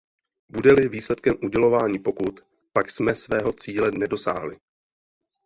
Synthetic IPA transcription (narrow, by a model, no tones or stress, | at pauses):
budɛlɪviːslɛt̪kɛmʔuɟɛlo̞vaːɲiːpo̞kut̪ | paksmɛsvɛːɦo̞t͡siːlɛnɛdo̞sa̰ːɦlɪ